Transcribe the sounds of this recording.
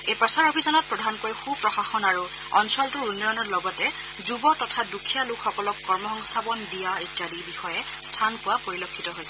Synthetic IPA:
ejpɹɔsaɹobʱizɔnɔt̚pɹɔdʱankojxupɹɔxaxɔnaɹu | ɔnsɔltʊɹunːɔjɔnɔɹlɔɡɔtɛ | zubɔtɔtʰadukʰijalukxɔkɔlɔkːɔɹmɔxɔŋstʰapɔndijaitːjadibixɔjɛ | stʰankʊwapoɹilokʰːitɔɦojsɛ

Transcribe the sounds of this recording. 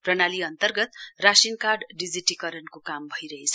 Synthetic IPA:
prʌnaliʌnt̪ʌrɡʌt̪rasinkarɖɖid͡ziʈikʌɾʌnkokambʱʌjɾʌɦet͡sʰʌ

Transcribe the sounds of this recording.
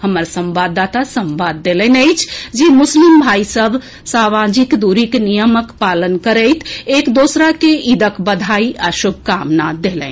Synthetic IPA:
həməɾsə̃mʋad̪at̪asəmʋaːd̪ːelə̃nəɪt͡ʃʰd͡ʒimʊslimbʱaisəbʱ | samad͡ʒikd̪uɾiknijəməkpaːlənkəɾəɪt̪ʰekd̪oːsɾakeʔid̪əkbəd̪ʱaiʔaʃub̚ʱkamnad̪elɛ̰̃n

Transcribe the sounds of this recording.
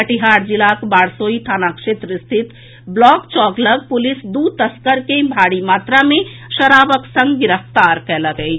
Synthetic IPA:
pəʈiɦaɾd͡ʒilakbaɽsoit̪ʰanakʃet̪ɾəst̪ʰit̪ | blɔkt͡ʃɔkləɡ̚pulisd̪ut̪əskəɾkebʱaɽimat̪ɾameʃəɾabəksə̃ŋɡɡiɾəft̪aɾkɛləɡɛj

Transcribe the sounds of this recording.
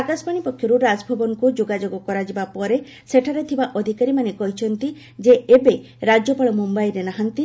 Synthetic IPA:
akaspaɽ̃ipɔkʰjɔɾuɾad͡ʒbʱɔbɔŋɔkud͡ʒoɡad͡ʒoɡɔkɔɾad͡ʒibapɔɾe | seʈʰaɾet̪ʰibaʔɔd̪ʱikaɾimanekɔɦit͡ʃʰɔnt̪i | d͡ʒeebe | ɾad͡ʒɔpaɭɔmumbajɾenaɦant̪i

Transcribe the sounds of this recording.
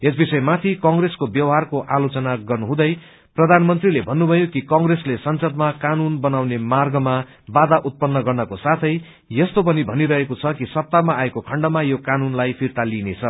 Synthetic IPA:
esbisʌemat̪ʰikʌŋɡreskobjʌwɦarkoʔalot͡sʌnaɡʌrnuɦũd̪ʌj | prʌd̪ʱanmʌnt̪rilebʱʌnːubʱʌjokikʌŋreslesʌnsʌd̪makanunbʌnawnemarɡʌma | bad̪aʔut̪̚pʌnːʌɡʌrnʌkosat̪ʰʌj | jʌst̪opʌnibʱʌniɾʌɦekot͡sʰʌkisʌp̚t̪amaaekokʰʌɳɖʌmajokanunlajpʰirt̪alinet͡sʰʌ

